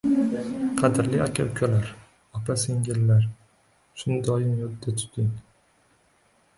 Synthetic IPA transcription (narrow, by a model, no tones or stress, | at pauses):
qʰɑd̪ɪɾlɪakʰʲa̰wkʲʰalaɾ | ɒpʰaseŋɡʲɪlːaɾ | ʃʊnd̪ɒjɪmjɒd̪ːat̪ʰʊ̥t̪ʰɪŋ